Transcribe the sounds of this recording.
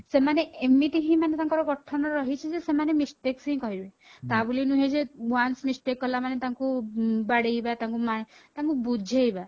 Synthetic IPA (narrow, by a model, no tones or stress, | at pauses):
semaneemit̪iɦĩmanet̪aŋkɔɾɔkɔʈʰɔnɔɾɔɦit͡ʃʰid͡ʒesemanemispeksĩĩkɔɦiɾue | t̪abulinuɦed͡ʒewansmisʈekːɔlamanet̪aŋkubaɽejbat̪aŋkumat̪aŋkubud͡ʒʱejba